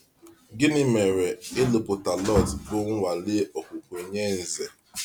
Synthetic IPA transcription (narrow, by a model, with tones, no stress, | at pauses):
ɡɪ˦nɪ˦me˨ɾe˨ɪ˦lʊ˨pʊ˨ta˨lɔ˦˨tbʊ˦ŋ̩˦ŋʷa˨lɪ˦ɔ˨kʷʊ˨kʷʊ˨e˨ɲe˦n̩˨ze˨